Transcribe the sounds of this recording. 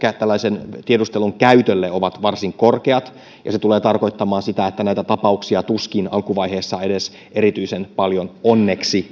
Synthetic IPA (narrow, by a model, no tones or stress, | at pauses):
kæt̪ælːæisent̪iedust̪eluŋkæyt̪ølːeoʋɑt̪ʋɑrsiŋkorkeɑt̪ | jɑ̰set̪uleːt̪ɑrko̞jt̪ːɑmɑːnsit̪æet̪ːænæit̪æt̪ɑpɑuksiɑt̪uskinɑlkuʋɑjheːsːɑedes | ʔeɾit̪yisenpɑljononːeksi